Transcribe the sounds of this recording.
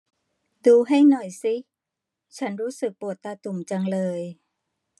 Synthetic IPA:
duː˧ɦa˥˩jnɔ˨˩jsi˦˥ | t͡ɕʰa˦˥nɾuː˦˥sɯ˨˩k̚pu˨˩ət̪ːaː˧t̪u˨˩mt͡ɕa˧ŋlɤː˧j

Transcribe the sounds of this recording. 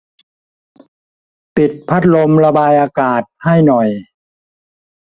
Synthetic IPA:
pi˨˩t̪̚pʰa˦˥t̪̚lo˧mɾa˧baː˧jʔaː˧kaː˨˩t̪̚ha˥˩jnɔ˨˩j

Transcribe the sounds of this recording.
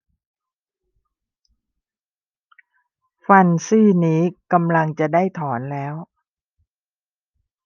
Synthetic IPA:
fa˧nsɯː˥˩niː˦˥ka˧mla˧ŋt͡ɕa˨˩daː˥˩jt̪ʰɔː˩˦nlɛː˦˥w

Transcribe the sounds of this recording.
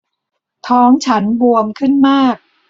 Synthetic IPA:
t̪ʰɔː˦˥ŋt͡ɕʰa˦˥nbu˧əmkʰɯ˥˩nmaː˥˩k̚

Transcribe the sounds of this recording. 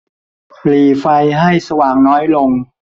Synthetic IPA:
pliː˨˩fa˧jɦa˥˩jsa˧waː˨˩ŋnɔː˦˥jlo˧ŋ

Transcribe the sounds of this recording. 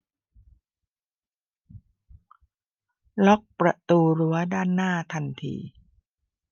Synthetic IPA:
lɔ˦˥k̚pɾa˧t̪uː˧ɾu˦˥ɐdaː˥˩nːaː˥˩t̪ʰa˧nt̪ʰḭː˧˩

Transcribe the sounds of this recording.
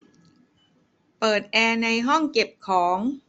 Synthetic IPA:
pɤː˨˩t̪̚ʔɛː˧na˧jɦɔ˥˩ŋke˨˩p̚kʰɔː˩˦ŋ

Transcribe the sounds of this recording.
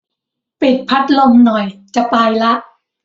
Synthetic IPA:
pe˨˩t̪̚pʰa˦˥t̪̚lo˧mnɔ˨˩jt͡ɕa˧˩paː˧jla˦˥ʔ

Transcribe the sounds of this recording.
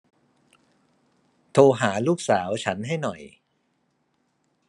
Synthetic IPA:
t̪ʰoː˧ɦaː˩˦luː˥˩k̚saː˩˦wt͡ɕʰa˦˥nɦa˥˩jnɔ˨˩j

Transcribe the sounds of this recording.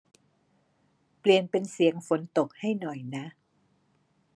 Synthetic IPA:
pli˨˩ənpe˧nsi˨˧əŋfo˨˧˥nt̪o˨˩k̚ha˥˩jnɔ˨˩jna˦˥ʔ

